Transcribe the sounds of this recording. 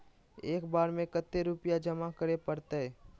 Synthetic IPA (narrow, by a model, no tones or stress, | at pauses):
eːkbaːɾmẽkət̪ːeɾʊpijad͡ʒɐmakəɾepəɾt̪eɛː